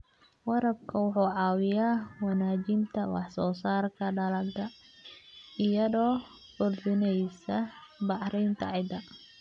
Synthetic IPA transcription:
wɑɾɐb̚kʰɐwʊħuːʕɑːwɪjaːwɑnaːt͡ʃɪnt̪ʰɐwɑ̰ħsɔːsaːrkʰɐɖɐlɐɡd̪ɐ | ɪjɐðɔː | fʊrd̪ɪnɛjsɐbɑʕɾɛjnt̪ʰɐ̰ʕɪd̪ɐ

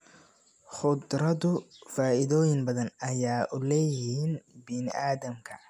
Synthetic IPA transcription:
χʊd̪ɾɐðʊfaːʔɪðɔːjɪŋbɐðɐnɐjaːʔʊlɛːjɪhiːnbɪnɪ̰ʔaːðɐmkʰɐ

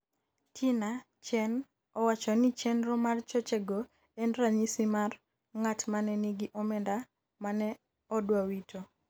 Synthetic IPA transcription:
tʰina | t͡ʃɛn | ɔwat͡ʃɔnit͡ʃɛnɾɔmart͡ʃɔt͡ʃɛɡo | ɛnɾaɲisimar | ŋatmanɛniɡiʔɔmɛnda | manɛ | ɔdwawitʰo

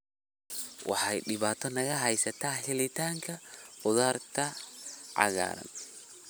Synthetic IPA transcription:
wʔɑ̰ħɑjɖɪβaːt̪ʰɔnɐɣɐɦɛjsɐt̪ʰaːħɪlɪt̪ʰaːŋkʰɐʊðaːrkʰɐʕɑ̰ɣa̰ːɾɐ̰n

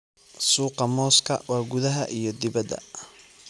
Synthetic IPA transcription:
suːqɑmɔːskʰɐ̰wɑːɡʊðɐɦɐʔijɞd̪ɪβɐd̪ɐ̰

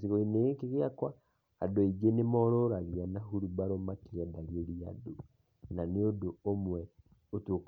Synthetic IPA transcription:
siɣoineɣekeɣeakwa | a̰doiɡenemɔɾɔɾaɣianaɦuɾubaɾɔmakeɾɛdaɣeɾia̰do | naneodoomwɛ | otok

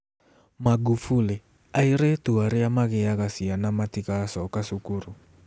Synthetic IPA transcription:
maɡufulɛ | aiɾetuaɾijamaɣɛjaɣasianamatikasɔkasukuɾu

